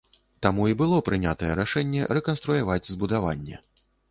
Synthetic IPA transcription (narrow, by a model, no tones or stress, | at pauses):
t̪amuibɨlˠɔpɾɨnʲat̪ɐjɛɾaʂɛnʲːɛ̰ɾɛkɐnst̪ɾujavad͡zʲzbud̪avanʲːɛ̰